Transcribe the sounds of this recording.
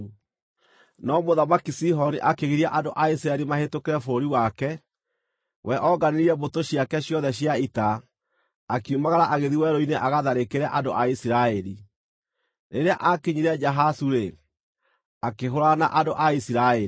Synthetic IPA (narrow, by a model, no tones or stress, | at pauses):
nɔmoðamakisiɦɔniʔakeɣiɾiaʔandoʔais̬iɾaɛɾimahetokeɾɛfoɾoɾiwakɛ | wɛʔɔɡaneɾiɛbotoɕjakɛɕjɔðɛɕjaitaː | kiumaɣaɾaʔaɣeðiwɛɾoineʔaɣaðaɾekeɾɛʔando̰ʔaisiɾaɛɾi | neɾeaʔakeɲiɾɛd͡ʒaɦasuɾe | akeɦoɾanaʔandoʔaisiɾaɛ